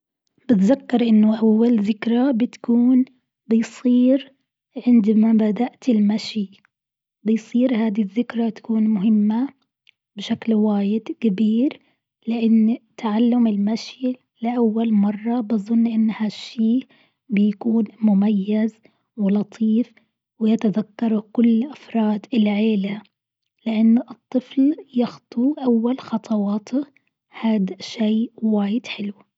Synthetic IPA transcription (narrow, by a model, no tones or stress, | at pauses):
bɪt̪ðakːɑɾˤʔɪnːʊʔawːalðɪkɾˤabɪt̪kuːn | bɪjsˤiːɾ | ʕɪnd̪mabad̪aʔt̪ɪlmaʃi | bɪjsˤiːɾhaːd̪iðːɪkɾat̪ḁkuːnmʊɦɪmːa | bɪʃaklwaːjɪd̪kɪbiːɾ | lɪʔanːt̪aʕalːʊmɪlmaʃi | lɪʔawːalmɑrˤːɑbɑzˤʊnːʔɪnːhaʃiːʔ | bɪjakuːnmʊmajːaz | wɪlɑt̪ˤʰiːf | wɪjat̪aðakːɑɾˤukʊlːʔafɾˤɑːd̪ɪlʕeːla | lɪʔanːɨt̪ˤːɨfljɪxt̪ˤuʔawːalxɑt̪ˤʰɑwɑːt̪ʊ | haːd̪ʃiːwaːjɪd̪ħɪlw